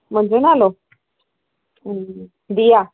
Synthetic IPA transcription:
m̤ənd͡zenalo | d̪ija

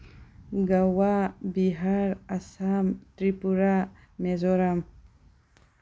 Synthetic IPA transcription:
ɡawabiɦaɾasamtɾipuɾa | mezɔɾam

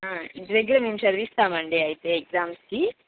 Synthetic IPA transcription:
aːid͡ʒɾeɡɾɐmeːmt͡ʃɐɾʋist̪aːmɐɳɖiɐjit̪e̞ːkzaːmsi

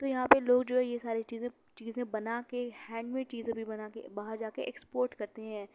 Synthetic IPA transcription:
t̪ojɐɦãpeloːɡd͡ʒoːɦɛjesaːɾet͡ʃiːzẽ | t͡ʃiːzẽbɐnakehɛ̃ːɳɖmẽt͡ʃiːzẽbʱibɐnakḛbaːɦəɾd͡ʒaːkeʔekspɔːɾʈkɐɾt̪eɦɛ̃ː

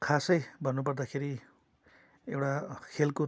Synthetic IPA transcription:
kʰasʌjbʱʌnːup̬ʌrd̪akʰeɾi | ewʈakʰelko

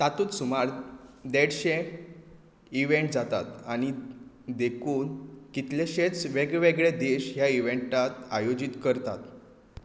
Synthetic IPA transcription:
t̪at̪uːt̪sumaɾd̪eɽɕe | iʋeɳʈd͡zat̪a̰t̪añi | d̪ekuːnkit̪leɕet͡sʋeɡɭeʋeɡɭed̪eɕɦjaiʋeɳʈat̪ajod͡ʑit̪kəɾt̪at̪

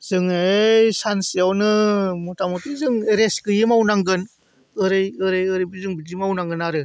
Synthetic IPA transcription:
z̥ɯŋejsansijawnɯmutamutizɯŋeɾeskɯjɯmawnaŋɡɯn | ɯɾɯjɯɾɯjɯɾɯbɯzɯŋbɯd͡ʒimawnaŋɡɯnaɾɯ

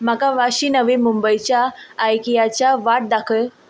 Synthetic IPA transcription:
makaʋaɕiːnəʋimumbəjt͡ɕjaːjkijat͡ɕjaʋaʈ̚d̪akʰəɭ

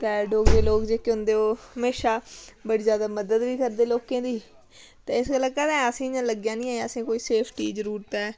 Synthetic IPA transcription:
t̪ɛːɖoːɡd̪eːloːkd͡ʒeːkɦʊ̃nd̪eːoːhəmeːʃaːbəɽiːzjaːd̪aːməd̪əd̪ʋiːkəɾd̪eːloːkẽːd̪iː | t̪eːɪsɡəlːakəd̪ɛ̃əsĩːd͡ʒãːləɡjãːnĩːaːjːəsĩːkoːiːseːpʰʈḭːd͡ʒəɾuːɾt̪aɛː

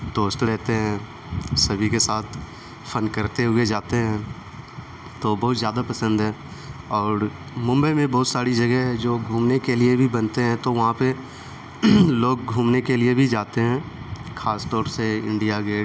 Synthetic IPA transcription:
d̪̥oːst̪ɾɛɦt̪eɦɛ̃ | sɐbʱikesaːt̪ʰ | fənkɐɾt̪eɦʊed͡ʒaːt̪eɦɛ̃ː | t̪obɐɦʊt̪zjaːd̪apɐsə̃nd̪ɦɛːɔːɾ | mʊ̃mbəjmẽbɐɦʊt̪saːɾid͡ʒɐɡɛɦɦɛd͡ʒoːɡʱuːmnekeliebʱibɐnt̪eɦɛ̃t̪oʋɐɦãpe | loːɡ̚ɡʱuːmnekelɪebʱid͡ʒaːt̪eɦɛ̃ːxʰaːst̪ɔːɾseɪ̰̃ɳɖijaɡeː

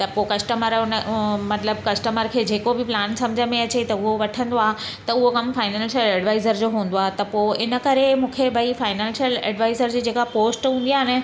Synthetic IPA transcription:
t̪ɐpokɐsʈəməɾʊnəmɐt̪ləb̚kɐsʈəməɾkʰeːd͡ʑeːkobɪplaːnsɐ̃md͡ʑʱəmẽɐt͡ɕet̪ɐʊɦoʋɐʈʰə̃nd̪oaːɦe | t̪ɐʊɦokɐmfaːɪnãːlʃəlɛɖʋaːɪzəɾd͡ʑoːɦũːnd̪oaːɦet̪ɐpoʔɪnə̆kɐɾemũːkʰebʱɐifaːɪnãːlʃəlɛ̰ɖʋaːɪzəɾd͡ʑiːd͡ʑeːkapoːsʈɦũːn̆d̪iaːɦɪnɪ̆

